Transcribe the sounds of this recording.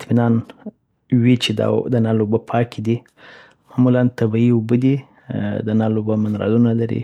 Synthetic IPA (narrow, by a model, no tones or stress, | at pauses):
ɪt̪minɑn | wit͡ʃed̪ɑ̰d̪ənalobəpʰɑkʰid̪i | mɑmulant̪abiiʊbəd̪i | d̪ənalobəmɪnɾɑ̰lunalaɾḭ